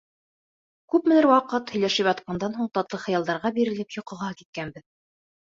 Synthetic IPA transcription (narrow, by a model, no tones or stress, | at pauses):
kʉpmɘ̆nɘɾwɑqɤt̪hɵ̆jlæʃɘpjɑt̪̚qɑnd̪ɑnɦuɴt̪ɑt̪lˠɤχɤ̆jɑlˠd̪ɑɾʁɑbiɾɘ̆lɘpjŏqɤ̆ʁɑkit̪̚kænbɘð